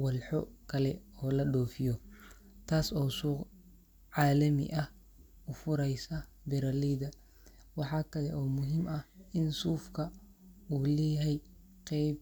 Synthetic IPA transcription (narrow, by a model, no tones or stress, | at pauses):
wɐlħɔkʰɐlɛɔːlɐɗɔːfɪjɔ | t̪ʰaːsɔːsuːq | ʕɑːlɐmɪ̰ʔɐh | ʊfʊɾɛjsɐ | bɪɾɐliðɐ | wɑħɑːkʰɐlɛʔɔːmʊɦimɐhɪnsuːfkʰɐ | uːlɛːɦɛj | qɛjb